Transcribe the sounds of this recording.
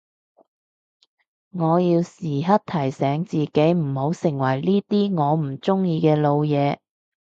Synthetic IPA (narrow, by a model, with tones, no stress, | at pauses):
ŋɔː˨˧jiː˧wsiː˨˩ɦɐ˥t̚t̪ʰɐ˨˩jsɛː˨˥ŋt͡siː˨ke˨˥jm̩˨˩ho˨˧˥wsɪ˨˩ŋwɐ˨˩jliː˥t̪iː˥ŋɔː˨˧m̩˨˩t͡sʊ˥ŋjiː˧kɛː˧lo˨˧wjɛː˨˧